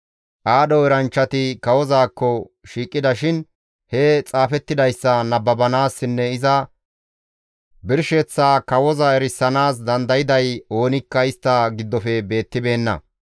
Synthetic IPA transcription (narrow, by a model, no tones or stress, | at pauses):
ʔaːɗɔɛɾɐnt͡ʃːɐt̪ɪkɐwɔzaːkːɔʃiːkʼːɪd̪ɐʃɪn | hɛt͡sʼaːfɛt̪ːɪd̪ɐjsːɐnɐbːɐbɐnaːsːɪnːɛɪzɐ | bɪɾʃɛt͡sːaːkɐwɔzɐɛɾɪsːɐnaːs̬d̪ɐnd̪ɐjɪd̪ɐjo̞ːnɪkːɐɪst̪ːɐɡɪd̪ːɔfɛbe̞ːt̪ːɪbe̞ːnːɐ̰